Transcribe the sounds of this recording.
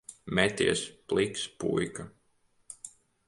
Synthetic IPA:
mɛt̪ʲiɛsplˠikspṵjka

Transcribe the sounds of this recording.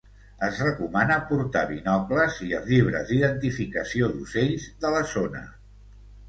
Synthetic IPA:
əzrəkumanəpuɾt̪aβinɔkləziəʎiβ̞ɾə̰zd̪iðənt̪ifikəsioðuseʎzðələzonə̰

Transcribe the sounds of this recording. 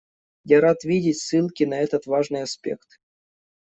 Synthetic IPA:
jaɾat̪vʲidʲɪtʲsɨlˠkʲɪnɐɛt̪ət̪vaʐnɨjɐspʲe̞̰kt̪

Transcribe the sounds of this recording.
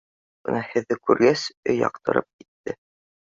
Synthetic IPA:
bɤ̆nɑhɘ̆ðːɘkʉɾɡæsɵ̰jɑ̰qt̪ɤ̆ɾɤp̚kit̪ːɘ

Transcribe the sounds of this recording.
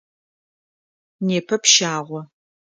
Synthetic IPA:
neːpʰɐpʃaːʁʷɔ

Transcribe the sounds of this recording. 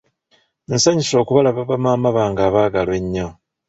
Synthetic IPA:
n̩saɲiso̞ːkuβalaβaβamaːmaβaːŋɡaːβaːɡalwe̞ɲːo

